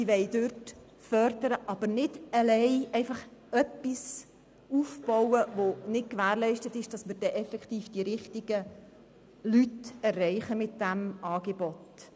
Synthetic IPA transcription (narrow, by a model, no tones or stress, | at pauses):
iʋɛɪdøɾt | fœɾdəɾəʔɑb̥əɾnɪdəlɛɪʔɛɪfɑχœpːis | uːfb̥ɔwəʋonɪt̚kʋæːɾlɛɪʃtətɪʃd̥ɑsməɾd̥ɛʔɛfɛkχtiːfd̥iɾɪχtɪɡ̥ə | lytɛrːɛɪχəmɪt̚d̥æmɑːɡ̥ebɔt